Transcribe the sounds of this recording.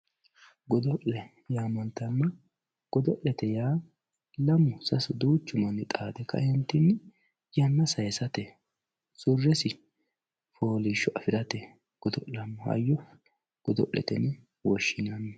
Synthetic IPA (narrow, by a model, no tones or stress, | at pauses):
ɡɔd̪ɔʔlɛ | jaːmɐnt̪ːɐnːɐ | ɡ̥ɔd̪ɔʔːɛt̪ɛjaː | lɐmʊsɐsʊd̪uːt͡ʃːʊmɐnːɪt̪ʼaːd̪ɛkːɐ̰hɪnt̪ːɪnː | jɐnːɐsɐjsɐt̪ɛ | sʊrːɛsɪ | foːlɪʃːɔʔɐfɪɾɐt̪ɛ | ɡ̥ɔd̪ɔʔlɐmːʊhɐ̰jːɔ | ɡ̥ɔd̪ɔ̰ʔːɛ̰t̪ɛn | wɔʃːɪnɐnːɛ